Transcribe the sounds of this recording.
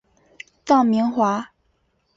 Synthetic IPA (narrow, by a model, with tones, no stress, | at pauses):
t̪ɑ˥˩ŋmi˧˥ŋxwa˧˥